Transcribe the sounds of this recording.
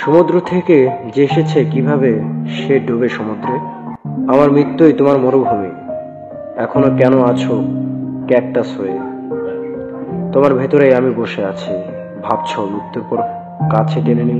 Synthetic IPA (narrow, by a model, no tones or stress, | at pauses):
ʃomud̪ɾot̪ʰeked͡ʑeeʃet͡ɕʰekibʱabeʃeɖobeʃɔmud̪ɾe | amaɾmɾit̪ːojt̪omaɾmoɾobʱami | ɛkʰonokɛnoat͡ɕʰokɛk̚ʈasɦoe | t̪omaɾbʱet̪oɾejamiboʃeat͡ɕʰi | bʱabt͡ɕʰolukt̪ːoɾpɔɾ | kat͡ɕʰeʈeneni